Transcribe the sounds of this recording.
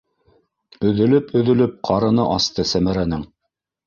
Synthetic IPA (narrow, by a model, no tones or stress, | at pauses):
ɵ̆ðɵ̆lɵpɵ̆ðɵ̆lɵp̚qʰɑɾɤ̆nɤʔɑst̪ɤsæmæɾænɘŋ